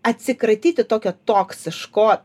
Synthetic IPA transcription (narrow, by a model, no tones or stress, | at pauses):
ɐt̪ʲsʲɪkɾɐɪt̪ʲiːt̪ʲɪt̪oːkʲoːt̪oːksʲɪʃkoː